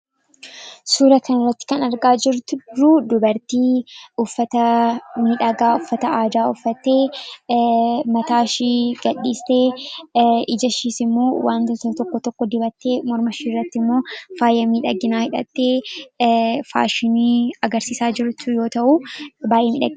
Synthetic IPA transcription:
suːɾɐkɐnɪrːɐt̪ːɪ̥kɐnɐɾɡaːd͡ʒɪɾt̪ɾʊd̪ʊbɐɾt̪iːʊfːɐt̪ɐmɪᶑɐɡaːʊfːɐt̪ɐaːd̪aːʊfːɐt̪ːe̞ː | mɐt̪aːʃiːɡɐᶑːiːst̪e̞ː | ɪd͡ʒɐʃiːsɪmːoːwaːnt̪ɐt̪ɐt̪ɔkːɔt̪ɔkːɔd̪ɪbɐt̪ːe̞ːmɔɾmɐʃiːrːɐt̪ːɪmːo̞ːfaːjɐmiːᶑɐɡːɪnaːhɪᶑɐ̰t̪ːe̞ː | fa̰ːʃɪniːɐɡɐɾsiːsaːd͡ʒɪɾʊt̪ːʊjo̞ːt̪ɐʔubaːjʔɛmḭːᶑɐ̰ɡɪ

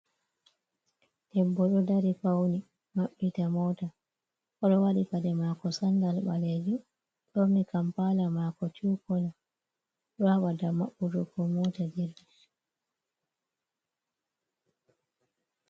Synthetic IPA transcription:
d̥ɛbːɔɗɔdaɾipawni | maɓːitamɔta | ɔɗɔwaɗikadɛmaːkɔsandalɓaled͡ʒu | ɗoːikampalamakɔt͡ʃuːkɔla | ɗɔhaɓadamaɓːutɔkɔmɔtadiɾdi

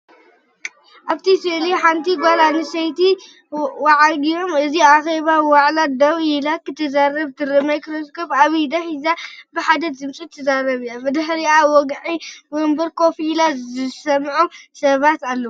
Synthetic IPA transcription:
ʔaβt̪ʰiseliħant̪ʰiɡʷalanɨsɐjt̪i | waʕalɡijo̞mɨziaxeβawaʕlad̪ɐβilakɨt̪ʰːɐzaɾɐβt̪ʰɨɾɨmɐjkɨɾɐskʰofaβijd̪ɐħizabɨħad̪ɐt̪zɨmt͡sʼut̪ʰːɐzaɾɐβijabɨd̪ɨħɾiawɔɡʕiwombɐɾkʰo̞filazɨsɐmʕusɐβat̪alːɐ

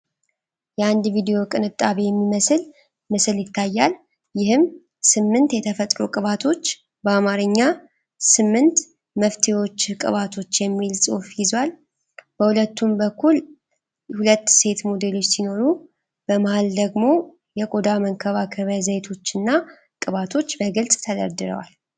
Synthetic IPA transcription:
jɛand̪vid̪ejo̞kʼɨnɨt̪ʼːaβe̞jɛmːiməsɨl | mɨsɨljɪt̪ʰːajːal | jɪhɨm | sɨmːɨnt̪jɛt̪ʰəfət̪ʼɾokʼɨβat̪ʰo̞t͡ʃː | bəamaɾɨɲːa | sɨmːɨnt̪ | məft̪ʰewo̞t͡ʃːkʼɨ̰βat̪ʰo̞t͡ʃːjɛmːilsʼɨfjɪzwal | b̥əhulət̪ːumbəkʰːul | hulət̪ːse̞t̪mod̪e̞lo̞t͡ʃːsino̞ɾu | b̥əmahald̪əɡmo̞ | jɛkʼo̞d̪aməŋkʰəβakʰəβəzəjt̪ʰo̞t͡ʃːɨnːa | kʼɨβat̪ʰo̞t͡ʃːbəɡɨlsʼt̪ʰəd̪ə̰ɾd̪ɨɾə̰wa̰l

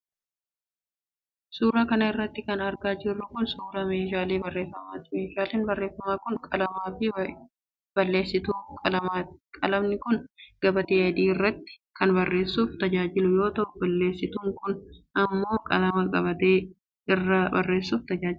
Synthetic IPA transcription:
suːɾɐkɐnɐɪrːɐt̪ːɪkɐnɐɾɡaːd͡ʒɪrːʊkʊnsuːɾɐme̞ːʃ̬aːleːbɐrːe̞ːfːɐmaːt̪meːʃaːleːnbɐrːe̞ːfːɐmaːkʊnkʼɐlɐmaːfɪ | b̥ɐlːe̞ːsːɪt̪uːkʼɐɐakʼɐlɐmnɪkʊnɡ̥ɐbɐt̪eːɐd̪iːɪrːɐt̪ːɪ̥ | kɐnbɐrːe̞ːsːuːft̪ɐd͡ʒaːd͡ʒɪlʊjo̞ːt̪ɐʔʊbɐlːe̞ːsːɪt̪uːŋkʊnʔɐmːo̞ːkʼɐ̰lɐmɐkʼɐbɐt̪eː | ɪrːɐbɐrːe̞ːsːuːft̪ɐd͡ʒaːd͡ʒɪ

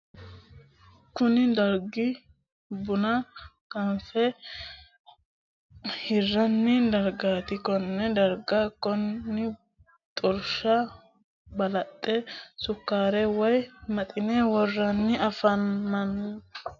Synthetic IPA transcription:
kʊnɪd̪ɐɾɡɪ | bʊnɐ | ɡ̥ɐnfɛ | hɪrːɐnːɪd̪ɐɾɡaːt̪ɪkɔnːɛd̪ɐɾɡakːɔnːɪ | t̪ʼɔɾʃɐ | bɐlɐt̪ʼːɛsʊkːaːɾɛwɔjmɐt̪ʼɪnɛwɔrːɐnːɪɐfɐnːɐn

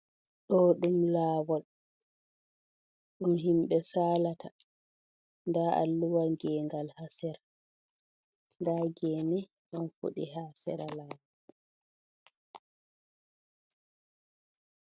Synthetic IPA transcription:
ɗɔɗumlaːwɔl | ɗumɦimɓɛsaːlata | ndaʔa̰lːuwaɡɛːŋɡalhasɛɾa | ndaːɡɛːnɛɗɔnfṵɗihaːsɛɾalaːwɔ

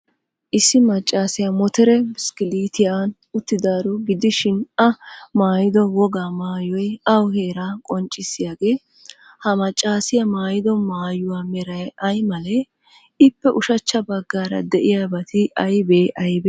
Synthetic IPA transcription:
ʔɪsːɪmɐt͡ʃʼːaːsɪjɐmɔt̪ɛɾɛmɪskɪliːt̪ɪjaːn | ʊt̪ːɪd̪aːɾɔɡɪd̪ɪʃɪnɐmaːjɪd̪ɔwɔɡaːmaːjɔjɐwhe̞ːɾaːkʼɔnt͡ʃʼːɪsːɪjaːɡe̞ː | hɐmɐt͡ʃʼːaːsɪjɐmaːjɪd̪ɔmaːjʊwaːmɛɾɐjɐjmɐlɛ | ɪpːɛʔʊʃɐt͡ʃːɐbɐɡːaːɾɐ̰d̪ɛʔɪjaːbɐt̪ɪɐjbeːʔɐjbe

